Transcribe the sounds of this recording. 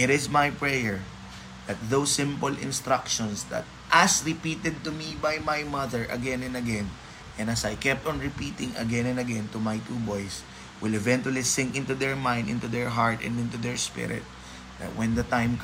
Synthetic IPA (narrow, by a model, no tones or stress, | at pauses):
ɪɾɪsmajpɹɛjɛɹ | ð̥ɐt̪̚ðowsːɪ̃mpɔlɪ̰̃nst̪ɾakʃɔ̃nsd̪ɐ̰t̪̚ʔɐsɹɪpiːt̪ɛd̪̚t̪ʊmibajmajmʌðəɹʔɐ̰ɡɛ̃nɛ̃nd̪ɐɡɛ̃n | ʔɛ̃nd̪ɐsajkɛp̚t̪ɔ̃nɹɪpiːt̪ɪ̃ŋɐ̰ɡɛ̃nɛ̃nd̪ɐɡɛ̃nt̪ʊmajt̪ubojs | wɪlɛvɛ̃nt̪uɐlisɪ̃ŋkɪ̃nt̪ud̪ɛɹmãj̃nd̪ɪ̰̃nt̪ud̪ɛɹɦaɹt̪ɛ̰̃ndɪ̃nt̪ud̪ɛɹspɪ̰ɹɪ̰t̪̚ | d̪a̰t̪̚wɛ̃nd̪ɐt̪ãjmk